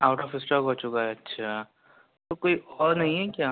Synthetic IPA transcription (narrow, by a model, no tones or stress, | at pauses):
aːʊʈɔːfɪsʈɔːkɦot͡ʃʊkaɦɛɐtːʃʰa | t̪okoːiʔɔːɾnɐɦĩɦɛkjaː